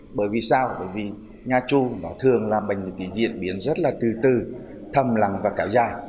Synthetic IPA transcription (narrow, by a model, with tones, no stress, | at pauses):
ɓəː˧˩jvi˨˩saː˧wɓəː˧˩jvi˨˩ | ɲaː˨˩t͡ɕu˧nɔ˨˦t̪ʰɨ˨˩əŋlaː˨˩ɓə˨˩jŋ˨˩t̪i˧˩˦zḭ˧˨ənɓi˨˦ənzə˦˥t̚laː˨˩t̪ɨ˨˩t̪ɨ˨˩ | t̪ʰə˧˩mla˨˦ŋvaː˨˩kaː˨˦wzaː˧˩j